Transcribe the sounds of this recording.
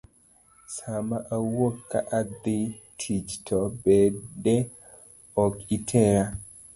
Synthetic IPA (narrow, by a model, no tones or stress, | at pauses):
samaʔawokːa̰ʔad̪itʰid͡ʒtʰɔbɛdɛ | ɔkitʰɛɾa